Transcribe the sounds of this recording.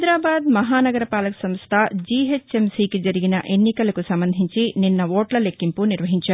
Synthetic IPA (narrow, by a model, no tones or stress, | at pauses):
jd̪ɾaːbaːd̪mɐɦaːnɐɡɐɾɐpaːlɐksɐmst̪ʰɐd͡ʒiɦet͡ʃːe̞msiːkid͡ʒɐɾiɡinɐʔe̞nːikɐlɐkusɐmbɐnd̪ʱiɲt͡ʃininːɐoːʈlɐlekːimpuniɾʋɐɦiɲt͡ʃaːɾ